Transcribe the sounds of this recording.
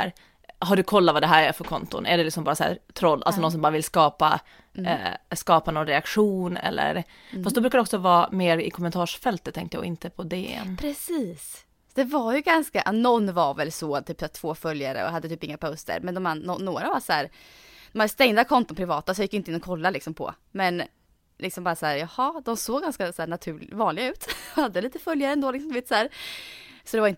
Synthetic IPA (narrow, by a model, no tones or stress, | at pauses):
æɾ | ɦaɖɵkʰɔlːavad̪ɛɦæːɾæfœɾkʰɔnt̪ʊ̰nʔæɖɛlɪksɔmbɑːɾasæ̰ːɾt̪ʰɾɔlːʔa̰lsɔnɔnsɔmbɑːɾavɪlskɑːpa̰ | skɑːpanɔnɾɛakɧuːnɛ̰lːə̰ɾ | fast̪d̪ɔbɾʉ̟kad̪ɔksɔvɑːmeːɾɪ̰kʰɔmːɛnt̪ʰɑːʂfɛlt̪ət̪ʰːɛŋkt̪əj̰ːɡɪnt̪əpʰɔd̪eːɛ̰npʰɾɛsiːs | d̪ɛvaɾjɵɡanskaʔnɔnːvaɾvɛlsɔt̪ʰyːpsat̪ʰv̥oːfœljaɾə̰ɔ̰ɦad̪ːət̪ʰyːpɪŋːapʰaʊst̪ə̰ɾmɛnd̪ɔmanːɔːoːɾavasæːɾ | d̪̥ɔmhad̪st̪ɛŋd̪akʰɔnt̪ʊnpʰɾɪvɑːt̪asɔjɪkːjʏɪnɪnːɔkʰɔlːalɪksɔmpʰɔ̰ | mɛn | lɪksɔmbɑːɾasæːɾjɑhɑd̪ɔmsoːɡɡːanskasæːɳat̪ʰʉ̟ːvɑːnlɪɡaʉ̟ːt̪had̪ːəliːt̪əfœljaɾəɛnd̪oːlɪksɔmd̪ɵveːt̪sæːɾ | sɔd̪ɛvaɾɪnt̪